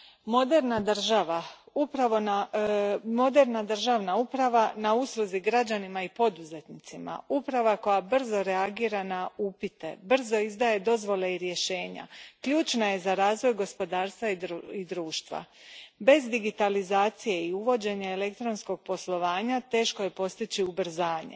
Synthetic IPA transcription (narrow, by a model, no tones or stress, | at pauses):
mod̪eɾnad̪r̩ʒaʋa | upɾaʋo̞na | mo̞d̪e̞ɾnad̪r̩ʒaʋnaupɾaʋanauslˠuziɡɾad͡ʑanimaipo̞d̪uze̞t̪nit̪sima̰upɾaʋako̞jabr̩zo̞ɾeaɡiːɾanaupit̪e̞̰br̩zo̞izd̪aːje̞d̪o̞zʋo̞le̞iɾje̞ʃe̞ːɲa̰kʎuːt͡ʃnaje̞zaɾaːzʋo̞jɡo̞spo̞d̪aːɾst̪ʋaiid̪ɾuːʃt̪ʋa̰ | be̞zd̪iɡit̪alizaːt̪sije̞iuʋo̞d͡ʑe̞ɲaele̞kt̪ɾo̞nsko̞ɡ̚po̞slˠo̞ʋaːɲat̪e̞ːʃkoje̞po̞st̪it͡ɕiubr̩zaːɲḛ